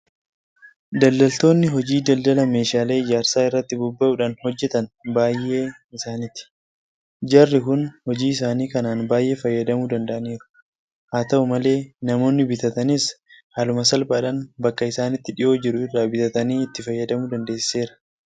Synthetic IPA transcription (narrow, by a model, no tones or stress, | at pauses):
d̪ɐld̪ɐlt̪o̞ːnːɪɦɔd͡ʒiːd̪ɐld̪ɐlɐme̞ːʃaːle̞ːɪd͡ʒaːɾsaːɪrːɐt̪ːɪbʊbːɐʔʊᶑɐnhɔd͡ʒːɛt̪ɐnbaːjʔe̞ː | ɪsaːnɪt̪ɪ̥ | d͡ʒɐrːɪkʊnhɔd͡ʒiːɪs̬aːniːkɐnaːnbaːjʔe̞ːfɐjːɐd̪ɐmuːd̪ɐnd̪ɐʔɐniːɾʊ̥ | haːt̪ɐʔʊmɐle̞ːnɐmo̞ːnːɪbɪt̪ɐt̪ɐnɪshaːlʊmɐsɐlbɐːᶑɐnbɐkːɐɪsaːnɪt̪ːɪᶑɪʔo̞ːd͡ʒɪɾʊɪrːaːbɪt̪ɐt̪ɐniːɪt̪ːɪfɐjːɐd̪ɐmuːd̪ɐnd̪e̞ːsse̞ːɾɐ̥